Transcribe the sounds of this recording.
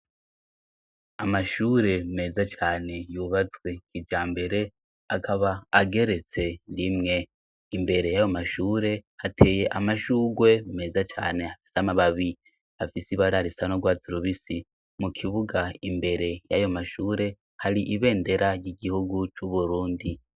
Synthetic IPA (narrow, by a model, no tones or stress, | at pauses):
amaʃuːɾe̞me̞ːzat͡ʃaːne̞juβat͡swe̞kid͡ʒaːmbe̞ɾe̞ | akʰaβaːɡe̞ɾe̞t͡se̞nimŋe̞ | imbe̞ɾe̞jajo̞maʃuːɾe̞hatʰe̞ːje̞ʔamaʃuːɡwe̞me̞ːzat͡ʃa̰ːne̞hafi̥samaβaβi | afisiβaɾaɾisanoɡwaːziɾuβisi | mukʰiβuɡaimbe̞ɾe̞jajo̞maʃuːɾe̞ | haɾiʔiβe̞ːnde̞ɾaɾɟiɡihuɡut͡ʃuβuɾuːndi